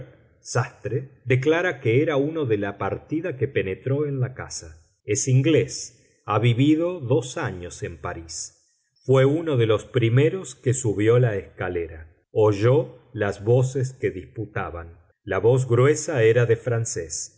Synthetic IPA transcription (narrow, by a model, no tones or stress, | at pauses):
sast̪ɾed̪ek̬laɾakeeɾaunoðelapaɾt̪iðakepe̞net̪ɾo̞enlaka̰sa | esiŋɡle̞s | aβiβiðo̞ðo̞saɲose̞mpaɾis | fwe̞uno̞ðe̞lo̞spɾimeɾo̞skesuβjo̞laeskaleɾa | oʒo | lazβo̞ses̬keðisput̪aβan | laβo̞z̬ɣɾwe̞saeɾaðefɾanses